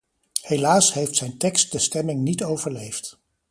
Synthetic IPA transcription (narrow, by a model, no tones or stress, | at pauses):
helaːsɦejftsɛjntɛkst̚dəstɛmɪŋnitowvəɹlejft